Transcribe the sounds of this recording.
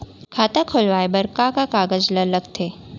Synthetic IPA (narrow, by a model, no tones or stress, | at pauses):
kʰaːt̪akʰʊlʋaːebəɾkãkakaːɡəd͡ʒlələɡt̪ʰeː